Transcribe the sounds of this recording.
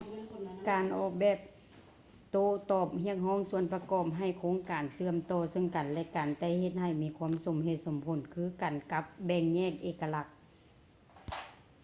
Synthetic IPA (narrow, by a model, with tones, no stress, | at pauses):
kaː˨˩nʔɔː˧˩k̚bɛː˧˩p̚ | t̪oː˧˩t̪ɔː˧˩p̚hi˧˥ək̚hɔː˧˥˨ŋsu˧ənpa˧kɔː˧˩p̚ɦa˧˩jkʰoː˧˥ŋkaː˨˩nsɯ˧˨əmt̪ɔː˧˩sɤ˧˩˨ŋka˨˩nlɛ˧ka˨˩nt̪ɛː˧˩he˧t̪̚ɦa˧˩jmiː˧˥kʰu˧˥ə˨mso˨˩mhe˧˩t̪̚so˨˩mpʰo˨˩˨nkʰɯː˧˥˨ka˨˩nka˧˥p̚bɛː˧˩ŋɲɛː˥˩k̚ʔeː˧˩kːa˧la˧˩k̚